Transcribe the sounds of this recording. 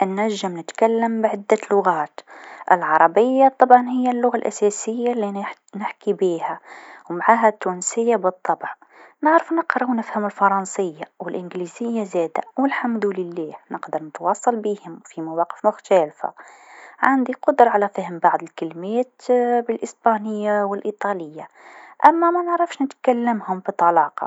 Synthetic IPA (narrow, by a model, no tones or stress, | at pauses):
ʔnːaʒːɪmnɪt̪kalːɪmbʕɪd̪ːalʊɣaːt̪ʔɪ̰lʕɑɾˤɑbɪjːat̪ˤːɑbʕɑnhɪjːalːʊɣalʔasæsɪjːalːi | nɪħkibiːhæwmaʕaːɦat̪ːuːnsɪjːabɨt̪ˤːɑbʕnɪʕɾəfnɪqɾˤɑwnɪfhamɪlfɑɾˤɑnsɪjːawɪlʔɪnɡliːzɪjːazɛːd̪awɪlħamd̪ulɪlːæːhnəqd̪əɾˤnət̪wɑːsˤːɑlbiːhʊmfimawɑːqə̥fmʊxt̪æːlfa̰ʕand̪iqʊd̪ɾˤɑʕalæfəhmbɑʕd̪ˤɪlkɪlmæːt̪bɪlʔəsbanəjːawɪlʔiːt̪ˤɑlɪjːa | ʔæmːæmænʕɾɑfʃnɪt̪kalːəmhʊmbit̪ˤːɑlɑːqɑ̰